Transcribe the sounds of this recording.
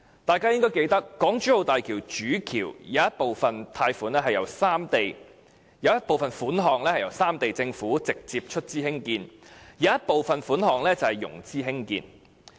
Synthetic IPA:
t̪aː˨jkaː˥jɪ˥ŋkɔː˥jke˧jt̪ɐ˥kːɔː˨˥ŋt͡ʃyː˨˥ho˨˧wt̪aː˨jkʰiː˨˩wt͡ʃyː˨˥kʰiː˨˩wjaː˨˦jɐ˥t̚po˨wfɐ˨nt̪ʰaː˧jfuː˨˥nɛː˥ɦɐ˨jɐ˨˩wsaː˥mt̪e˨j | jɐ˨˧wjɐ˥t̚po˨wfɐ˨˩nfuː˨˥nɦɔː˨˩ŋlɛː˥hɐ˨˩jɐ˨˩wsaː˥mt̪e˨jt͡sɪ˧ŋfuː˨˥t͡sɪ˨k̚t͡siː˧p̚t͡ʃʰɵ˥t̚t͡siː˥hɪ˥ŋkiː˧nja˨˦jɐ˥t̚po˨wfɐ˨nfuː˨˥nɦɔː˨˩ŋlɛː˥t͡sɐ˨˩hɐ˨jʊ̰˨˩ŋt͡siː˥ɦɪ˥ŋkḭː˧n

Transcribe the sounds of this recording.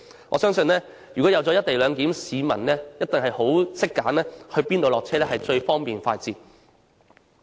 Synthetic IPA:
ŋʔɔː˧sœː˥ŋsɵ˧nlɛː˥ | jyː˨˩kɔː˨˥jɐ˨wt͡sɔ˨˥ɐ˥t̪e˨jlœː˨˧ŋkiː˨˥msiː˨˧mɐ̰˨˩nlɛː˥jɐ˥t̚t̪ɪ˨ŋɦɐ˨jho˨˥wsɪ˥kːaː˨˥nlɛː˥hɵ˧ɥpiː˥nt̪o˨˧wlɔː˨k̚t͡sʰɛː˥lɛː˥hɐ˨jt͡ʃɵ˧ɥfɔː˥ŋpiː˨nfaː˧t̚t͡siː˨˩t̚

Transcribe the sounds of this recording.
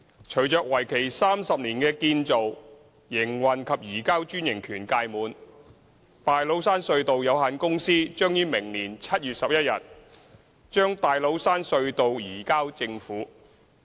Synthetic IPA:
t͡ʃʰɵ˨˩ɥt͡ʃœː˨˧k̚wɐ˨˩jkʰe˨˩jsaː˥msɐ˨p̚niː˨˩nkɛː˧kiː˧nt͡so˨w | jɪ˨˩ŋwɐ˨nkʰɐ˨p̚jiː˨˩kaː˥wt͡ʃyː˥njɪ˨˩ŋkʰyː˨˩nkaː˧jmuː˨˧n | t̪aː˨jlo˨˥wsaː˥nsɵ˧ɥt̪o˨wjɐ˨˧whaː˨˧nkʊ˥ŋsiː˥t͡ʃœː˥ŋjyː˥mɪ˨˩ŋniː˨˩nt͡sʰɐ˥t̚jyː˨t̚sɐ˨p̚jɐ˥t̚jɐ˨t̚ | t͡ʃœː˥ŋt̪aː˨jlo˨˥wsaː˥nsɵ˧ɥt̪o˨wjiː˨˩kaː˥wt͡sɪ˧ŋfuː˨˥

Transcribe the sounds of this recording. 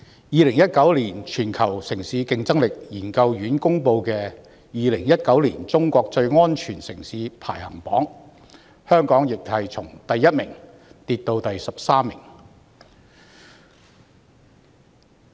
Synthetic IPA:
jiː˧lɪ˨˩ŋjɐ˥t̚kɐ˨˥wliː˨˩nt͡ʃʰyː˨˩nkʰɐ˨˩wsɪ˨˩ŋsiː˨˥kɪ˧ŋt͡sɐ˥ŋlɪ˨k̚jiː˨˩nkɐ˧wjyː˨˥nkʊ˥ŋpo˧wkɛː˧ | jiː˨˧lɪ˨˩ŋjɐ˥t̚kɐ˨˥wliː˨˩nt͡sʊ˥ŋkʷɔː˧k̚t͡sɵ˧ɥŋɔː˥nt͡ʃʰyː˨˩nsɪ˨˩ŋsiː˨˥pʰaː˨˩jhɐ̰˨˩ŋpɔː˨˥ŋ | hœː˥ŋkɔː˨˥ŋjɪ˨k̚hɐ˨jt͡sʰʊ˨˩ŋt̪ɐ˨jːɐ˥t̚mɪ˨˩ŋ | t̪iː˧t̚t̪o˧wt̪ɐ˨jsɐ˨p̚saː˥mːɪ˨˩ŋ

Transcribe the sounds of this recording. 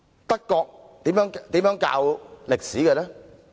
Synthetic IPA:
t̪ɐ˥kːɔː˧k̚t̪iː˨˥mjœ˨˥ŋkt̪iː˨˥mjœ˨˥ŋka̰ː˧wlɪ˨k̚siː˨˥kɛː˧lɛː˥

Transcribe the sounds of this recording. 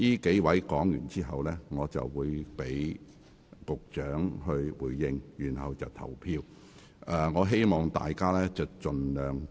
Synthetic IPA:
jiː˥ke˨˥jwɐ˨˥jkɔː˨˥ŋjy̰˨˩nt͡siː˥ɦɐ˨wlɛː˥ŋɔː˨˧t͡sɐ̰˨wːuː˨˧jpe˨˥j | kʊ˨k̚t͡ʃœː˨˥ŋɦɵ˧ɥwuː˨˩jːɪ˧ŋjyː˨˩nɦɐ˨wt͡sɐ˨wt̪ʰɐ̰˨˩wpʰiː˧w | ɛː˨ŋɔː˨˧ɦe˥jmɔː˨˩ŋt̪a̰ː˨jkaː˥lɛː˥t͡sɐ˨wt͡ʃɵ˨nlœː˨˧ŋ

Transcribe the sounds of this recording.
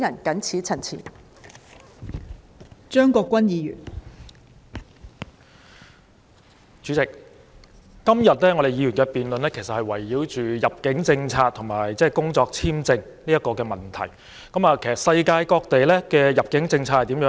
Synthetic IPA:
jɐ˨˩nkɐ˨˥nt͡sʰiː˨˥t͡sʰɐ˨˩nt͡sʰḭː˨˩n | t͡ʃœː˥ŋkɔː˧kʷːwɐ˥njiː˨˧jy̰˨˩n | t͡ʃy˨˥t͡sɪ˨k̚ː | ɐ˥mjɐ˨t̚lɛː˥ŋɔ˨˧d̪e˨jiː˨˧ɥyː˨˩nkɛː˧piː˨nlɵ˨nlɛː˥kʰe˨˩sɐ˨t̚hɐ˨jwɐ˨˩jːiː˨˥wt͡ʃyː˨jɐ˨p̚kɪ˨˥ŋt͡sɪ˧ŋt͡sʰaː˧k̚t̪ʰʊ˨˩ŋmaː˨˩jt͡sɛː˥˩kʊ˥ŋt͡sɔː˧k̚t͡sʰiː˥mt͡sɪ˧ŋ | niː˥jɐ˥kɔː˧kɛː˧mɐ˨˩nt̪ʰɐ˨˩j | kɐ˨˦maː˨kʰe˨˩jsɐ˨tsɐ˧jkaː˧jkɔː˧k̚t̪e˨jlɛː˥kɛː˧jɐ˨p̚kɪ˨˥ŋt͡sɪ˧ŋt͡sʰaː˧hɐ˨t̪iː˨˥mjœː˨˥

